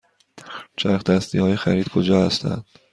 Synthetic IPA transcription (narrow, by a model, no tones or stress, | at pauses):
t͡ʃʰæɾxd̪̥æst̪iːhɒːjexæɾiːd̪kʰod͡ʒɒːhæst̪æ̰nd̪̥